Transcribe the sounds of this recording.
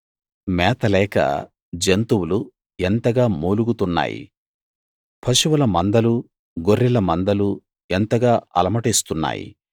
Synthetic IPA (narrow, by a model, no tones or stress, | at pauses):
mɛːt̪ɐlɛːkɐ̰ | d͡ʒent̪uwulu | ent̪ɐɡaːmuːluɡut̪unːa̰ːjḭ | pʰɐʃuwɐlɐmɐnd̪ɐlu | ɡoɾːilɐmɐnd̪ɐlu | ent̪ɐɡaːʔɐlɐmɐʈeːst̪unːa̰ːjḭ